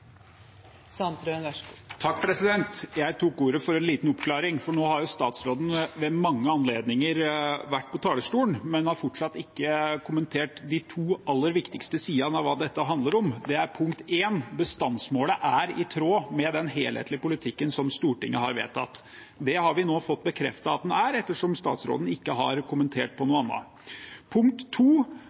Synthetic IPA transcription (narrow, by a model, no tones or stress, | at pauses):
sɑnt̪ɾønʋt̪ʰɑk̚ːpʰɾɛsɪd̪ɛnt̪jæɪt̪ʰukuːɾəfɔɾɛnliːt̪n̩ɔpkʰlɑːɾɪŋfɔɳoːhɑɾjʊst̪ɑːt̪sɾoːd̪n̩ʋɛmɑŋːəɑnleːd̪nɪŋəɾʋæʈːpʰɔt̪ʰɑːləsʈ̪uːənmɛnhɑɾfɔʈʂɑt̪ːɪkːəkʰʊmənt̪ʰeːʈd̪ɪt̪ʰuːɑlːəɾʋɪkt̪ɪkst̪əsiːɑnɑʋʋɑːd̪ɛt̪ːəɦɑnd̪ləɾɔmd̪ɛæɾpʰʊŋkt̪eːnbəst̪ɑnsmoːləʔæɾɪt̪ʰɾoːmɛd̪ɛnɦeːlhḛːt̪lɪəpʊlɪt̪ʰɪkːənsɔmst̪uːʈɪŋːəhɑɾʋḛːt̪ʰɑt̪ː | d̪ɛhɑɾʋɪnoːfɔt̪ːbəkʰɾɛ̰ft̪ɑɑt̪̚d̪ɛnæɾɛt̪ːəʂɔmst̪ɑ̰ːt̪sɾo̰ːd̪n̩ɪkːəɦɑ̰ɾkʰʊmənt̪ʰeːʈ̚pʰɔnuːɑnːə̰ | pʰʊŋkt̪ʰːuː